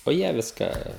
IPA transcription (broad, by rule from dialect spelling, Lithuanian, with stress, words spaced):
oː ˈjiɛ ˈʋʲɪskɑː